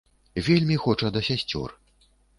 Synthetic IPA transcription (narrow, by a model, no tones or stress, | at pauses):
vʲelʲmʲixɔt͡ʂɐd̪ɐsʲasʲt͡sʲɔ̰r